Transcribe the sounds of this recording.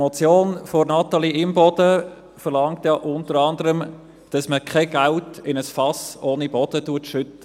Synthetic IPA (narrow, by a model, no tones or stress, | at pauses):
mɔt͡sjoːnfoɾnɑt̪ːɑliɪmbɔd̥ə | fəɾlɑŋtjɑʔʊntəɾɑndəɾəm | d̥ɑsməkʰχaɡ̥æltɪnəsfɑsoːnib̥ɔd̥ətuətʃʏtːə